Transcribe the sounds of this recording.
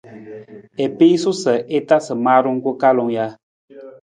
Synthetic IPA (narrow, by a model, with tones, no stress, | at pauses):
e˨pi˦su˦sə˨ʔe˦ta˦sɨ˨maː˦ɾu˦ŋ˦ku˦ka˦lɔ˨ŋja˦